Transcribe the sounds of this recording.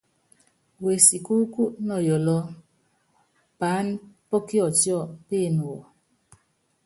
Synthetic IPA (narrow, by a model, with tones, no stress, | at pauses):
we˨si˨ku˦ku˦ʔnɔ˨jɔ˨lɔ˦ | paː˨˦n˦pɔ˦ki˦ɔ˨tjɔ˦˨pe˦˨nu˨wɔ˨